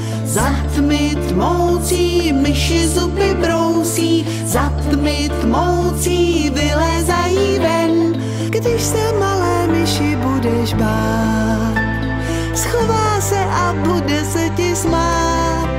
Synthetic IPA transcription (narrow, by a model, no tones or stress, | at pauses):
zat̪mɪt̪mowt͡siːmɪʃɪzʊpɪbɾowsiː | zat̪mɪt̪mowt͡siːvɪlɛzajiːvɛn | ɡdɪʃsɛmalɛːmɪʃɪbudɛʃbaː | t̪ | sxovaːsɛʔabodɛsɛcɪsmaː | t̪